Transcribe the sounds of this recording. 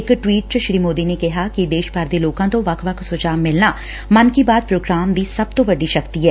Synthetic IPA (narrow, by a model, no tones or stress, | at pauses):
ɪkʈwiːʈ̚t͡ʃəʃɾiːmoːd̪inekɐɦakid̪eːʃpaːɾd̪eloːkãt̪oʋaːkʰʋaksʊd͡ʒaːmːɪlna | mɐnkibaːd̪̚pɾoːɡɾaːmd̪isɐb̚t̪obɐɖiʃɐkt̪iɦɛː